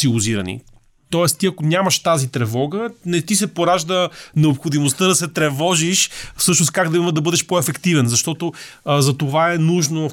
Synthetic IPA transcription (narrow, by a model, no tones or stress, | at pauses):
siuziɾɐ̰nḭ | t̪ɔɛst̪t̪iɐkonʲamɐʃt̪azit̪ɾɛvɔɡənɛt̪isɛpoɾaʒd̪ənɛopxod̪imost̪əd̪ɐsɛt̪ɾɛvɔʒiʃfsɤʃnos̚kaɡd̪ɐiməd̪ɐbɤd̪ɛʃpoɛfɛkt̪ivɛnzɐʃt̪ɔt̪ozɐt̪ovaɛnuʒno